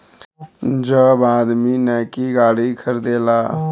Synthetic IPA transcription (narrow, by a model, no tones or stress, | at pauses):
d͡ʒəbãd̪minakiɡaːɽikʰəɾd̪ela